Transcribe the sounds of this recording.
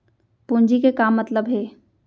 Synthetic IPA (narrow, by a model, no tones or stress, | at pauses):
pũːɲd͡ʒikekaːmːɐt̪ləbɦeː